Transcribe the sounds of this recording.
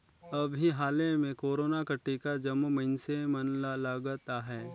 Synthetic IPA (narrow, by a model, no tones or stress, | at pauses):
ɐbʱiɦaːlemẽkoːɾoːnakɐʈːikad͡ʒɐmumɐɪnsemɐnlalaɡt̪aɦɛː